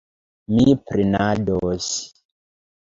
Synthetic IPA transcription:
mipɾinados

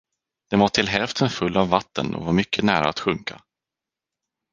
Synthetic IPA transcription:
d̪̥ɛvaʈʰɪlɦɛlft̪ʰənfɵlːavːat̪ːə̰nɔ̰vaɾmʏkʰːənæːɾa̰ːt̪ɧɵŋka̰

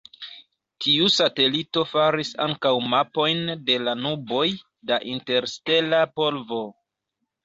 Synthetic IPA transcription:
tʰiusate̞lito̞faɾisa̰ŋkawmapo̞jnde̞lanubo̞j | daʔinte̞ɾste̞lapo̞lvo̞

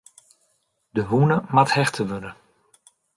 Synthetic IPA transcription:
dəʋunəmathɛχtʰəʋødə

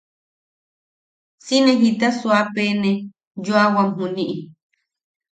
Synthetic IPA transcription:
sinẽɦit̪aswapene | joawamɦuniʔi

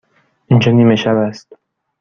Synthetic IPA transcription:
ind͡ʒɒːniːmeʃæbæst̪

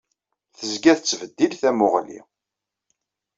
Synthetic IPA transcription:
θəzɡæθət͡sːvəd̪ːilθæmʊʁlḭ

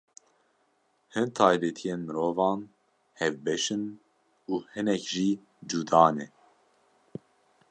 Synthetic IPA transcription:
hɨnt̪ʰɑːjbɛt̪ʰijeːnmɨɾoːvɑːn | hɛvbɛʃɨn | uːhɨnɛkʒiː | d͡ʒuːd̪ɑːnɛ

